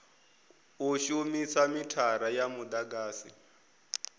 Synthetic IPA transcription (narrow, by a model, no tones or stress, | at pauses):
uʃumisamitʰaɾajamud̪aɡaːsḭ